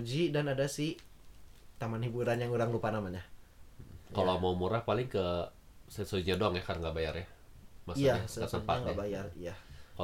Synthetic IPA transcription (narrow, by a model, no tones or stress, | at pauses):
d͡ʒidanadasɪh | t̪amanhibuɾanjaŋuɾaŋɾupanamaɲa | kalomaumuɾahpalɪŋkə | sɛnsod͡ʒiɲadoaŋjahkarŋɡaʔbajarjamasijaakət̪əmpaŋɡabajarijaka